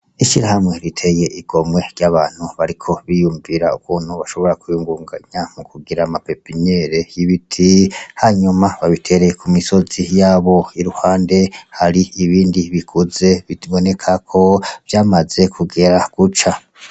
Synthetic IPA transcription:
iʃiɾahamŋe̞ɾitʰe̞je̞ʔiɡ̥o̞mwe̞ɾjaβaːn̥huβaɾikʰo̞βijuːɱviɾaukuːn̥huβaʃo̞βo̞ɾakujuːŋɡuːŋɡaɲamukuɡiɾamapepiɲeɾejiβitʰihaɲumaβaβitʰe̞ɾekʰumiso̞zijaːβo̞iɾuhaːnde̞haɾiiβiːndiβikʰuze̞βiβo̞ne̞kʰakʰo̞vjaːmaze̞kʰuɡe̞ɾaɡ̥ut͡ʃa

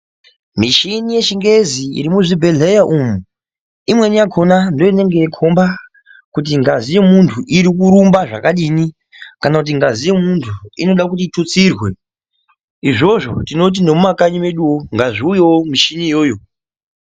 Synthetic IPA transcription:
miʃinije̞ʃiŋɡe̞ziḭɾimuʐibʱe̞ɮejaʔumu | imwe̞nijakʰo̞nando̞jine̞ŋɡekʰomba | kut̬iŋɡazijemuntʰuʔiɾikuɾumbaʐa̰kaɗini | kanakut̬iŋɡazije̞muntʰuḭno̞ɗak̬ut̬itʰut͡sirwe̞ | iʐo̞ʐo̞̰tino̞t̬ine̞mumakaɲime̞ɗuoŋɡaʐiujoomiʃinijo̞ːjo̞

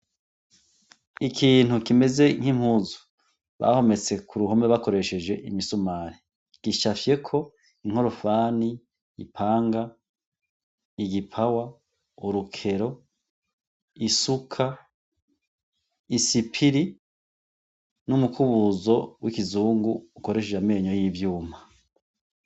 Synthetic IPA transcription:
ikʰiːn̥hukime̞ze̞ŋ̥him̥huːzu | βa̰ho̞me̞t͡se̞kʰuɾuɦo̞meβako̞ɾe̞ʃe̞d͡ʒwe̞ʔimisumaːɾi | ɡ̥iʃafje̞kʰo̞ | iŋ̥ho̞ɾo̞faːni | ḭpʰaːŋɡa | iɡipʰawa | uɾukʰe̞ɾo̞ | isukʰa | isipʰiɾi | numukʰuβuzo̞wikizuːŋɡuːko̞ɾe̞ʃed͡ʒameːɲo̞jivjuːma

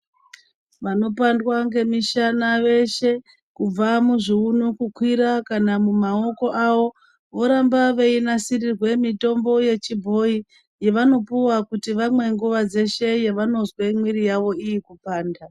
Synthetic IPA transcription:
ʋano̞pandwaŋɡe̞miʃanaʋe̞ʃe̞ | kub͡vamuʐiunukukwiɾakanamumao̞ko̞ʔaʋo̞ | ʋo̞ɾambaʋe̞inasirirwe̞mito̞mbo̞je̞t͡ʃibʱo̞i | je̞ʋano̞puwakutiʋamwe̞ŋɡuʋad͡ze̞ʃe̞je̞ʋano̞zwemwiɾijaʋo̞ijikupaːnda

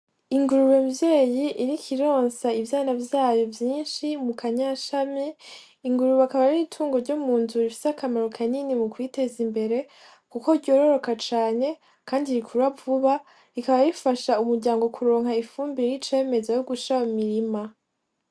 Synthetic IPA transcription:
iŋɡuɾuβemvjeːjiʔiɾikiɾoːnsaivjaːnavjaːjo̞vjiːnʃimukʰaɲaʃamiː | ŋɡuɾuβakaβaɾiitʰuːŋɡo̞ɾɟomuːnzuɾifi̥sakamaɾo̞kʰaninimukwite̞zimbe̞ɾe̞ | kuko̞ɾɟo̞ːɾo̞ɾo̞kat͡ʃaːɲe̞ | kaːndiɾikʰuɾwavuβa | ikaβajifaʃaumuɾɟaːŋɡo̞kʰuɾo̞ːŋ̥haifuːmbiɾit͡ʃe̞ːme̞zajoɡut͡ʃaumiɾima

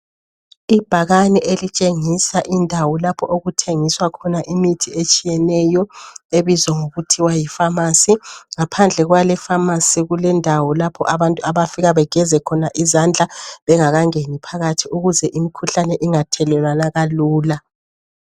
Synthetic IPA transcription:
ib̥ʱaɣanɛʔelit͡ʃʼeŋisaʔindʱawɔlapʰɔʔoɣutʰeŋiswakʰɔnaʔimitʰiet͡ʃʼijɛnɛjɔeβizɔŋoɣutʰiwajifamasiŋapʰand͡ɮʱɛɣwalɛfamasiɣulɛndʱawɔlapʰɔʔaβantʼuaβafiɣaβɛɡ̥ʱɛzɛkʰɔnaʔizand͡ɮʱaβɛŋaɣaŋenipʰaɣatʰiuɣuzɛʔimikʰuɬanɛʔiŋatʰɛlɛlwanaɣaluːla

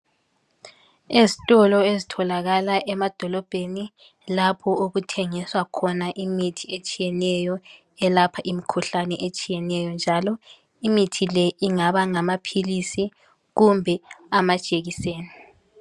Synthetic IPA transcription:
ezitʼɔlɔezitʰɔlaɣalaʔɛmad̥ʱɔlɔb̥ʱeni | lapʰɔoɣutʰɛŋiswakʰɔnaʔimitʰiet͡ʃʼijɛnɛjɔ | ɛlapʰaʔimikʰuɬanɛʔet͡ʃʼijɛnɛjɔnd͡ʒʱalɔ | imitʰilɛiŋaβaŋamapʰilisi | ɣumbʱɛamad̥ʒ̥ʱʼeɣiseːni

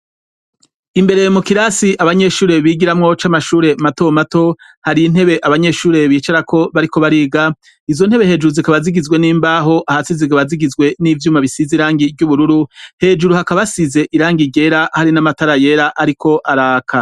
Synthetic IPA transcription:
imbe̞ɾe̞mukiɾasiʔaβaɲe̞ʃuːɾe̞βiːɡiɾamŋo̞t͡ʃamaʃuːɾe̞mato̞mato̞ | haɾiin̥e̞βe̞ʔaβaɲe̞ːʃuːɾe̞βiːt͡ʃaɾakʰo̞βaɾiko̞βaɾiːɡa | izo̞n̥he̞βe̞ɦhe̞ːd͡ʒuɾuzikaβaziɡizɡwe̞niːmbaːɦo̞ʔahasiziɡaβaziɡizɡwe̞nivjuːmaβisiziɾaːŋɡivɟuβuɾuɾuhe̞ːd͡ʒuɾuhakaβasize̞ʔiɾaːŋɡiɟe̞ɾahaɾinamataɾaje̞ɾaʔaɾikʰo̞ʔaɾaːkʰa

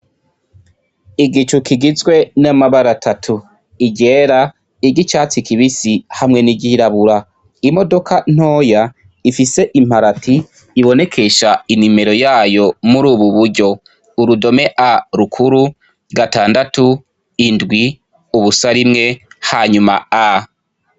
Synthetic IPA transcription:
iɡit͡ʃukiɡizɡwe̞namaβaɾatʰatʰu | iɟe̞ːɾa | iɟit͡ʃaːt͡sikiβisihamŋe̞niɟiiɾaβuɾa | imo̞do̞kʰan̥o̞ːja | ifise̞ʔim̥haɾatʰiː | βo̞ne̞kʰe̞ʃainime̞ɾo̞jaːjo̞muɾuːβuβuɾɟo̞ | uɾudo̞me̞ʔaɾukʰuɾu | ɡataːndatu | indɡwi | uβusaɾimŋe̞haːɲuma̰a

